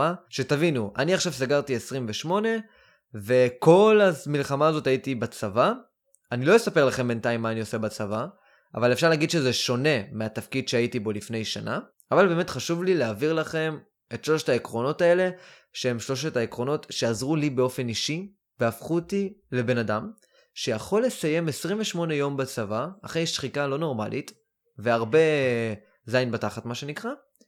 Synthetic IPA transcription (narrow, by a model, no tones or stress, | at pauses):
aʃe̞tavinuʔa̰niaχʃavsaɡaʁtie̞sʁimveʃmo̞ne̞ | ve̞ko̞lamilχamaːzo̞taitibat͡sava | anilo̞jesape̞ʁlaχe̞mbe̞ntaimːaːnio̞se̞bat͡sava | ʔavale̞fʃaʁlaɡidʃe̞zeʃo̞ne̞meatafkidʃeaitibo̞lifne̞jʃana̰ | avalbe̞ːme̞tχaʃuvlileaviʁlaχe̞m | etʃlo̞ʃetaekʁo̞no̞tae̞le̞ | ʃeemʃlo̞ʃetaekʁo̞no̞tʃeazʁulibe̞o̞fe̞niʃi | veafχutile̞be̞nadam | ʃe̞jaχo̞lesaje̞mesʁimveʃmo̞ne̞jo̞mbat͡savaːχejʃχikalo̞no̞ʁma̰lʔit | veaʁbe̞ | zajnbataχatmaʃe̞nikʁa